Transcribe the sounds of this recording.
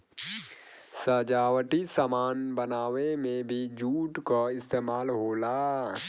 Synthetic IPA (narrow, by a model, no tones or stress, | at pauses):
səd͡ʒaːwəʈisəmaːnbənaːwemẽbʱid͡ʒuːʈkaɪst̪eːmaːlɦoːlaː